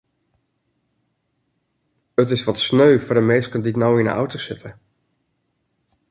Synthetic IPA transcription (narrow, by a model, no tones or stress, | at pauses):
ətɪsʋɔtsnøɥvəɹdəmeːskənditnawɪnə̰ʔa̰wtosɪtʰə